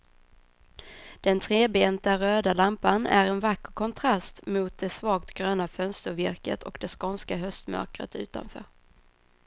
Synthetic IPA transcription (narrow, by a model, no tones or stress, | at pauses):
d̪̥ɛnt̪ʰɾeːbeːnt̪aɾøːd̪alampanæ̰ɾɛnvakːəɾkʰɔnt̪ʰɾast̪mʊːt̪̚d̪ɛsvɑːɡ̚t̪ɡ̥ɾøːnafœnst̪əɾvɪɾkə̰t̪ʰɔkd̪ɛskɔnskaɦœst̪mœ̰ɾkɾə̰t̪ʉ̟ːt̪a̰nfœ̰ːɾ